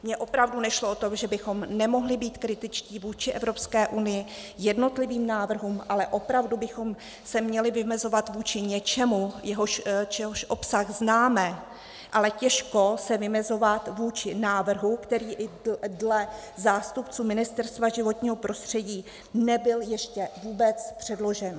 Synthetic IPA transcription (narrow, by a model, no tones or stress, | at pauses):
mɲɛʔo̞pɾavdunɛʃloʔot̪oʒɛbɪxo̞mnɛmo̞ɦlɪbiːt̪kɾɪt̪ɪt͡ʃciːvuːt͡ʃɪʔɛvɾo̞pskɛːʔunɪjɪjɛdno̞t̪lɪviːmnaːvr̩ɦuːmʔalɛʔo̞pɾavdubɪxo̞m | sɛmɲɛlɪvɪmɛzo̞vat̪vuːt͡ʃɪɲɛt͡ʃɛmujɛɦoʃt͡ʃɛɦoʃʔo̞psaɣznaːmɛ | ʔalɛcɛʃko̞sɛvɪmɛzo̞vat̪vuːt͡ʃɪnaːvr̩ɦukt̪ɛɾiːʔɪdlɛ | zaːst̪upt͡suːmɪnɪst̪ɛɾst̪vaʒɪvo̞t̪ɲiːɦo̞pɾo̞st̪r̝̥ɛɟiː | nɛbɪljɛʃcɛvuːbɛt͡spr̝̥ɛdlo̞ʒɛn